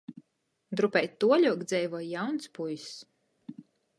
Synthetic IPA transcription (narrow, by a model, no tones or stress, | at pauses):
d̪ɾupɛjt̪ːuɔlʲuɔkd̪zʲɛjvɔjjawnspujs